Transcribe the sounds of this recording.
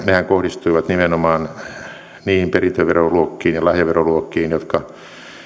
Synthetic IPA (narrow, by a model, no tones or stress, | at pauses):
nehæŋkohdist̪uiʋɑt̪nimenomɑːn | niːhimperint̪øʋeroluokːiːnjɑlɑhjɑʋeroluokːiːnjot̪kɑ